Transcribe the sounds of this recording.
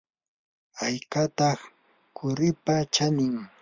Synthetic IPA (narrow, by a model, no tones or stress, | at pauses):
ajkat̪ɑχ | kʰʊɾɪpat͡ʃanɪŋ